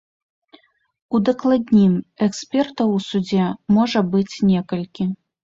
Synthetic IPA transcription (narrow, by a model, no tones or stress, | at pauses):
ud̪ɐklˠad̪ʲnʲimɛksʲpʲɛrt̪ɐwsud͡zʲɛmɔʐɐbɨt͡sʲnʲɛkɐlʲkʲi